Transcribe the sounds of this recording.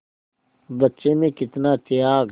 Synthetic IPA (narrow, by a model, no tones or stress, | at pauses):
bətːʃeːmẽːkɪt̪naːt̪ɪjaːɡ